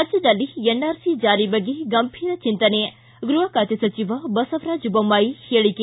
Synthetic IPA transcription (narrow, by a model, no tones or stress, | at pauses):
ɾaːd͡ʒjɐd̪ɐlːienːaːɾsid͡ʒaːɾibɐɡːeɡɐmpʰiːɾɐt͡ʃint̪ɐnejɐ | ɡɾuɦɐkaːt̪ɐsɐt͡ʃiʋɐbɐsɐʋɾaːd͡ʒubɐmːaːjiheːɭike